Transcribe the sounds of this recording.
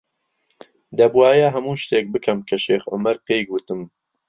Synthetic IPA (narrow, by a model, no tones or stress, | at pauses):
d̪ɐbwaːjɐɦɐmuːʃt̪eːk̚bɨkʰɐmkʰɐʃeːxʔʊ̰mɐɾqeːjɡuːt̪ɨm